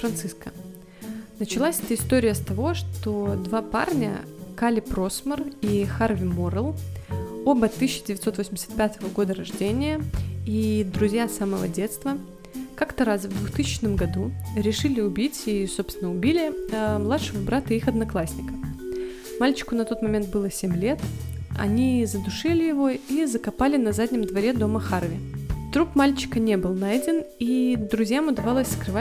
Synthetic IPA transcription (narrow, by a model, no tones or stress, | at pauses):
fɾɐnt̪sɨskə | nət͡ɕɪlˠasʲɛt̪əɪst̪o̞ɾʲɪjəst̪ɐvo̞ʂt̪od̪vapa̰rnʲə̰kalʲɪpɾo̞smərixarvʲɪmoɾəlˠ | obɐt̪ːɨsʲɕːɪdʲɪvʲɪt̪so̞t̪vosʲmʲdʲɪ̥sʲt̪̚pʲat̪əvəɡo̞d̪əɾɐʐdʲenʲɪjəid̪ɾʊzʲjasaməvə̰dʲet̪st̪və | kakt̪əɾasvd̪vʊxt̪ɨsʲɪt͡ɕnəmɡɐd̪uɾʲɪʂɨlʲɪʊbʲitʲiso̞pst̪vʲɪnəʊbʲilʲɪmlˠat̪ʂɨvəbɾat̪ɨixɐd̪nɐklˠasʲnʲɪkə | malʲt͡ɕɪ̥kʊnɐt̪o̞t̪mɐmʲe̞nt̪̚bɨlˠəsʲemʲlʲe̞t̪ɐ̰nʲizəd̪ʊʂɨlʲɪjɪvo̞izəkɐpalʲɪnɐzadʲnʲɪmd̪vɐɾʲe̞d̪o̞məxarvʲɪt̪ɾupmalʲt͡ɕɪ̥kənʲe̞bɨlˠnadʲɪnid̪ɾʊzʲjamʊd̪ɐvɑlˠəsʲskɾɨva